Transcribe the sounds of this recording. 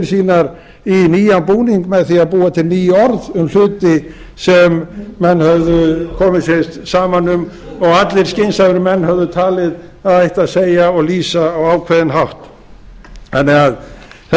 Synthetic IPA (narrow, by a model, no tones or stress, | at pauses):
ɾsiːnaɾ | iniːjanpuːniŋkmɛðθiaðpuːat̪ʰɪlniːjʏɔɾðʏml̥ʏːt̪ɪ | sɛmːɛnːhœvðʏkʰɔːmɪðsest̪saːmanʏm | ɔɣat̪lɪɾ̥scɪnsaðʏɾʏmɛnːhœvðʏt̪ʰaːlɪðaðajht̪aðsejaɔɣliːsaːwaːwkʰvɛðɪnɦawht̪ | ɛnːɛɣaðθ